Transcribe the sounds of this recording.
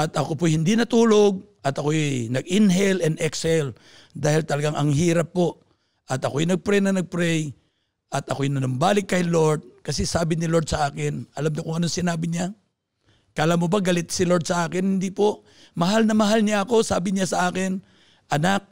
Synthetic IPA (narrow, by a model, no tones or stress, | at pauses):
ʔɐt̪ʔɐkopʊjhɪnd̪inɐt̪uːlo̞ɡ̚ | ʔɐt̪ɐkoʔjnɐɡɪnɦɛlɛnd̪ɛksɛl | d̪aːhɪlt̪ɐlɐɡaŋʔɐŋɦiːɾɐpːo̞ʔ | ʔɐt̪ɐkoɐjnɐɡ̚pɾɛjnɐnɐɡ̚pɾɛj | ʔɐt̪ɐkojnɐnʊmbaːlɪkːɐjlo̞ɹd̪̚kɐsɛsaːbɪnɪloɹd̪sɐʔaːkɪnɐlamɲokʊŋɐnoŋsɪnaːbɪɲa | kɐʔlamʊbɐɡɐlɪt̪sɪloɹd̪sɐʔaːkɪnhɪnd̪ipo̞ʔ | mɐɦalnɐmɐɦalɲaʔɐko̞saːbɪɲasɐʔaːkɪn | ʔɐnak̚